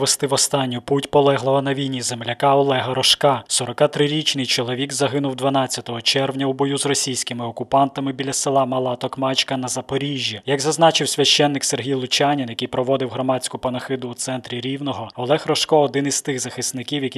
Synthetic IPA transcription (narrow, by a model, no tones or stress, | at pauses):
ʋest̪ɪʋɔst̪ɑnʲːʊputʲpɔlˠɛɦlˠɔɦɐnɐʋʲijnʲizemlʲɐkɑɔlˠɛɦɐɾɔʃkɑsɔɾɔkɑt̪ɾɪɾʲit͡ʃnɪjt͡ʃɔlˠɔʋʲiɡzɐɦɪnʊwd̪ʋɐn̪ɑt͡st͡sʲːɐt̪ɔɦɔt͡ʃɛrwnʲɐubɔjuzrɔsʲijsʲkɪmɪɔkʊpɑnt̪ɐmɪbʲilʲɐsɪlˠɑmɐlˠɑt̪ɔkmɑt͡ʃkɐnɐzɐpɔɾʲiʒʲjijɐɡzɐznɑt͡ʃɪwsʲʋʲɐʃt͡ʃɛnːɪkserɦʲijlˠʊt͡ʃʲanʲinjɐkɪjpɾɔʋɔd̪ɪwɦɾɔmɑt͡sʲkʊpɐnɐxɪd̪ʊːt̪sɛnt̪ɾʲiɾʲiwnɔɦɔɔlˠɛxrɔʃkɔɔd̪ɪnizt̪ɪɣzɐxɪsnɪkʲiwjɐkʲi